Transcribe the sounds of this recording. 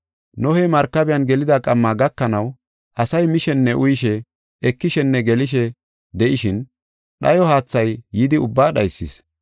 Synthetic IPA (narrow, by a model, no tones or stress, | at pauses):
nɔhɛjmɐɾkːɐbɪjɐnɡɛlɪd̪aːkʼɐmːaːɡɐkːɐnɐw | ʔɐsɐjmɪʃɛnːɛʔʊjɪʃɛ | ɛkːɪʃɛnːɛɡɛlɪʃ̬ɛ | d̪ɛʔɪʃɪn | ɗɐjɔhaːt͡sːɐjːɪd̪ɪʊbːaːɗɐjsːɪ̰s